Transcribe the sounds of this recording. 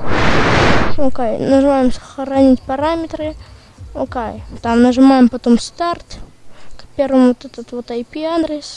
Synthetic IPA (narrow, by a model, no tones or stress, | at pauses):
okajnəʐɨmajɪmsxəɾɐnʲitʲpɐɾamʲɪt̪ɾɨ | okajt̪amnəʐɨmajɪmpɐt̪omst̪art̪kpʲervəmvot̪ɛt̪ət̪vot̪ɐjpʲiad̪ɾʲɪs